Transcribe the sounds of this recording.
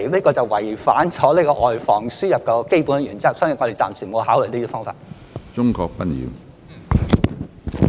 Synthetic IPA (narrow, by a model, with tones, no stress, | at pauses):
liː˥kɔː˧t͡sɐ˨wwɐ˨˩jfaː˨˥nt͡sʰɔː˨˥liː˥kɔː˧ʔɔː˨jfɔː˨˩ŋsyː˥jɐ˨p̚kɔː˧ke˥jpuː˨˥nɐ˥jyː˨˩nt͡siː˥ɐ˨wt͡sʰœ˥ŋɪ˨ŋɔ˨˧e˨˩jt͡sa̰ː˨msyː˨˩nmo˨˧wɦaː˨˥wljliː˥˩iː˧˥˩fɔː˥ŋfa̰ː˧t̚ | t͡ʃʊ˥ŋkɔː˧k̚pɐ˥njḭː˨˧w